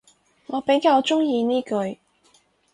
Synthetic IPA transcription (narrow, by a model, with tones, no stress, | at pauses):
ŋɔː˨˧pe˨˥jkaː˧wt͡ʃʊ˥ŋjiː˧niː˥kɵ˨˧ɥ